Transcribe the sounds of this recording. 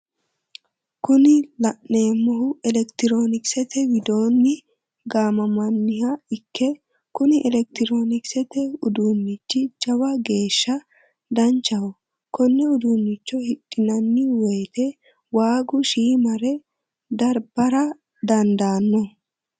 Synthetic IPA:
kʊnɪlɐʔːeːmːɔhʊɛlɛkt̪ɪɾo̞ːnɪksɛt̪ɛwɪd̪o̞ːnːɪ | ɡaːmɐmɐnːɪhɐɪkʰːɛ | kʊnɪʔɛlɛk̚t̪ɪɾo̞ːnɪksɛt̪ɛʊd̪unːɪt͡ʃːɪd͡ʒɐwɐɡe̞ːʃːɐ | d̪ɐnt͡ʃːɐwɔ | kɔnːɛʊd̪unːɪt͡ʃːɔhɪɗʼɪnɐnːɪwejt̪ɛ | waːɡʊʃiːmɐɾɛ | d̪ɐɾbɐɾɐ | d̪ɐnd̪aːnːɔ

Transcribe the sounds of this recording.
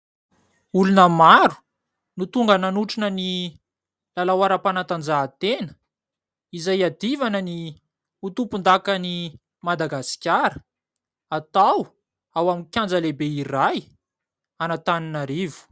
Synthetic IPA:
ulunəmaɾu̥ | nut̪uŋɡənanuʈ͡ʂinəni | lalawaɾapanat̪and͡zat̪enə̥ | izajad̪ivanəni | ut̪upund̪akani | mad̪aɡasi̥kʲaɾə̥ | at̪aw | awaminkʲjand͡zəlebeiraj | anat̪aninaɾivu̥

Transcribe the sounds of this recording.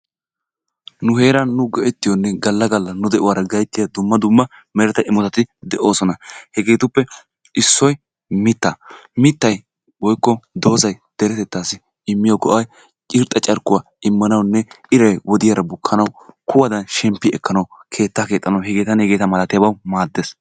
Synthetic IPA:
nʊhe̞ːɾɐnːʊɡɔʔɛt̪ːɪjɔnːɛɡɐlːɐɡɐlːɐnʊd̪ɛʔʊwaːɾɐɡɐjt̪ːɪjɐd̪ʊmːɐd̪ʊmːɐ | mɛɾɛt̪ɐʔɪmːɔt̪ɐt̪ːɪd̪ɛʔo̞ːsɔnɐhɛɡe̞ːt̪ʊpːɛ | ɪsːɔj | mɪt̪ːɐmɪt̪ːɐj | wɔjkːɔd̪o̞ːzɐjd̪̥ɛɾɛt̪ɛt̪ːaːsɪ | ɪmːɪjɔɡɔʔɐj | t͡ʃʼɪɾt̪ʼɐt͡ʃʼɐɾkːʊwa | ɪmːɐnɐwnːɛ | ɪɾɐjwɔd̪ɪjɐɾɐbʊkʰːɐnɐwkʰʊwɐd̪ɐnʃɛmpːɪɛkʰːɐnɐwkʰe̞ːt̪ːaːke̞ːt̪ʼːɐnɐwɦɛɡe̞ːt̪ɐnɛɡe̞ːt̪ɐmɐlɐt̪ɪjɐbɐwmaːd̪ːes

